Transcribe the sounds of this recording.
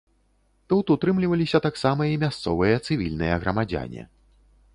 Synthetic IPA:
t̪ut̪ut̪ɾɨmlʲivɐlʲisʲɐt̪aksamɐimʲast̪sɔvɨjɐt̪sɨvʲilʲnɨjɐɣɾɐmad͡zʲa̰nʲɛ̰

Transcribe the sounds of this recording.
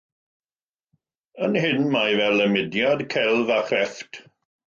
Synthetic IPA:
ənhɪnmajvɛləmɪdjadkʰɛlˠvaχrɛftʰ

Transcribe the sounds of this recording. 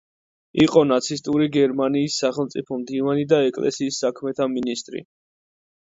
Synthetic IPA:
iqʼɔnat̪sʰist̪ʼuɾiɡɛɾmaniːsːaχɛlˠmt̪sʼipʰɔmd̪ivanid̪aɛkʼlɛ̰siːsːakʰmɛt̪ʰaminist̪ʼɾḭ

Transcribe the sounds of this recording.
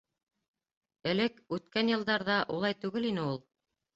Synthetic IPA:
ɘ̆lɘkʉt̪kænjɤ̆lˠd̪ɑɾðɑʔulˠɑjt̪ʉɡɘlinɘulˠ

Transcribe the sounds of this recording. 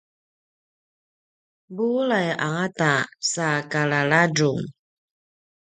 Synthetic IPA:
bulajaŋatasakalaɭad͡ʒuŋ

